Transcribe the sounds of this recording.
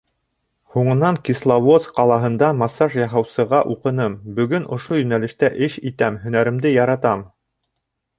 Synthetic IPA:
huɴɤ̆nɑŋkislˠavosqɑlˠɑɦɤ̆nd̪ɑmɑsɑʃjɑɦɑwsɤ̆ʁɑʔuqɤ̆nɤmbɵ̆ɡɵnʔŏʃojɵ̆nælɘ̆ʃt̪æʔɘʃit̪æmɦɵ̆næɾɘ̆md̪ɘjɑɾɑt̪ɑm

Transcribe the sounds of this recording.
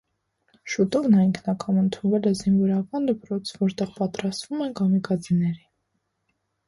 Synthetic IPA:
ʃut̪ɔvnɑiŋkʰnɑkɑmənt̪ʰunvɛlɛzinvɔɾɑkɑnd̪əpɾɔt͡sʰvɔɾt̪ɛʁpɑt̪ɾɑst̪vumɛnkʰɑmikʰɑt͡sinɛɾi

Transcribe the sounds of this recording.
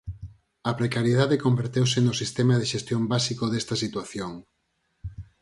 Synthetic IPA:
ɐpɾekaɾjeðaðekombeɾt̪ewsɪnʊsist̪emɐðeʃest̪jombasikoðest̪ɐsit̪waθjoŋ

